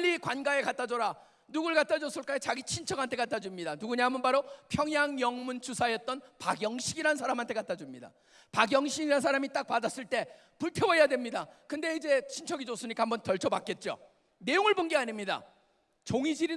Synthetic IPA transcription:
ʎːikwanɡae̞kat͈ʰad͡ʑʌɾa | nuɡuɭkatʰad͡ʑos͈ʰɯɭk͈aet͡ɕaɡit͡ɕʰint͡ɕʰʌɡantʰe̞katʰad͡ʑumɲidanuɡuɲaɦamʌnbaɾopʰjʌŋjaŋjʌŋmunt͡ɕʰusʰajʌt̚t͈ʌnpaɡjʌŋɕʰiɡiɾansʰaɾamɦantʰe̞katʰad͡ʑumɲida̰ | paɡjʌŋɕʰiɡiɾans̬ʰaɾamit͈ak̚p͈adas͈ɯɭt͈e̞ | puɭtʰewʌjadwe̞mɲidakɯnde̞id͡ʑe̞t͡ɕʰint͡ɕʰʌɡid͡ʑosʰɯɲikahambʌntʌɭt͡ɕʰʌbak͈e̞t̚t͡ɕ͈o̰ | ne̞joŋɯɭbonɡeaɲimɲida̰ | t͡ɕoŋid͡ʑiɾi

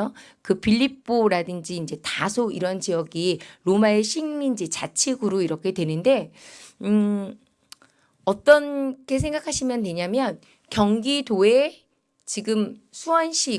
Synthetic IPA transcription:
o | kɯpʰiʎːip͈oɾadɯnd͡ʑiːnd͡ʑe̞tasʰoiɾʌnt͡ɕijʌɡiɾomaeɕʰiŋind͡ʑit͡ɕat͡ɕʰiɡuɾoiɾʌkʰe̞dwe̞nɯnde̞ | ʌt͈ʌnkʰe̞s̬ʰe̞ŋɡakʰaɕʰimjʌntwe̞ɲamjʌn | kjʌŋɡidoe | t͡ɕiɡɯmsʰuʌnɕʰi

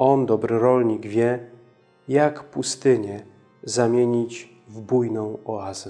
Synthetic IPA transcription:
ɔnd̪ɔbɾɘɾɔlɲiɡvʲjɛ | jakpust̪ɘɲɛ | zamʲjeɲit͡ɕ | vbujnɔ̃w̃ɔazɛ

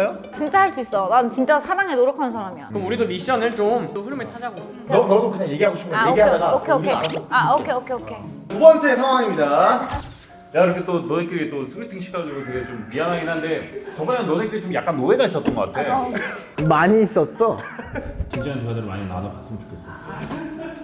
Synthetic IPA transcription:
jo | t͡ɕint͡ɕ͈aɦaɭs͈uis͈ʌnant͡ɕint͡ɕ͈asʰadaŋenoɾokʰanɯnsʰaŋamjʌnkɯɯmuɾidomiɕ͈ʌnɯɭt͡ɕomt͈oɸuɾumeɭt͡ɕʰad͡ʑaɡo | kʌnʌdokɯɲaŋjeɡiɦaɡoɕʰimɡeɡiɦaaɡaokʰeoeaaokʰeokʰeokʰetubʌnt͡ɕ͈e̞sʰaŋwaŋimɲida | jaiɾʌkʰet͈onodek͈oɾit͈osʰɯmitʰiŋɕʰi̥k͈aɡiɡoteet͡ɕompiɦanɦaɡinɦande̞t͡ɕʌŋmaannodek͈oɾit͡ɕomjak͈anːoenaɕʰisʌt͈ʌnɡʌk͈atʰe | maɲiːs͈ʌs͈ʌ | t͡ɕind͡ʑaintoɡadɯɾoma̰ɲina̰nak͈ʰas͈ɯmɯɭt͡ɕʰu̥kʰes͈ɯmida

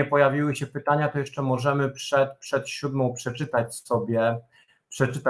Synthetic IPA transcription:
ɛpɔjavʲiwɘɕɛpɘt̪aɲat̪ɔjɛʂt͡ʂɛmɔʐɛmɘpʂɛt̪pʂɛt̪ɕud̪mɔ̃w̃pʂɛt͡ʂɘt̪at͡ɕsɔbʲjɛ | pʂɛt͡ʂɘt̪a

